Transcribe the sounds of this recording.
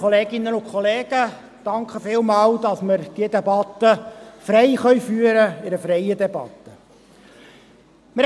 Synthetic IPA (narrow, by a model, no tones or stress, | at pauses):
oleːɡɪnːəʊkʰχoleːɡ̥ə | d̥ɑŋkχəfɪːlmɑːld̥̪ɑsməɾd̥iəd̪ɛbɑt̪ːəfɾɛɪχœʏfyːəɾəɪɾəfɾɛjəd̪ɛbɑ̰t̪ːə | mɪ